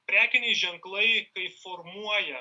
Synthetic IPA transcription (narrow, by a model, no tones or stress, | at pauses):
pʲɾʲæːkʲɪnʲɛɪʒʲɛŋklˠɐɪkɐɪfɔɾmuɔjɛ